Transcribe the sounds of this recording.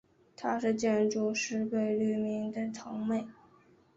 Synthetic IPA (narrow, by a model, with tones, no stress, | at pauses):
t̪ʰa˥ʂɻ̩˥˧t͡ɕjɛ˥˧nʈ͡ʂu˥˧ʂɻ̩˥˧pe˥˧ɪly˥˩mi˧˥ŋd̪ə˨˩t̪ʰɑ˧˥ŋme˥˩ɪ